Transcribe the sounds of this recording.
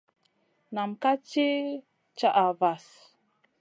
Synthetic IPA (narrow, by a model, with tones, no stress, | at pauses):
na˨mka˦t͡ʃi˦ | t͡ʃa˦ʔa˨va˨s